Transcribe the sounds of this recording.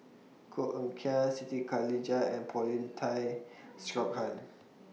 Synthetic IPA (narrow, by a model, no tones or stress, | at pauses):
kʰoʔəmkʰɛsit̪ikʰalid͡ʒaɛ̃npʰɔlĩntʰajstɹɔk̚hãn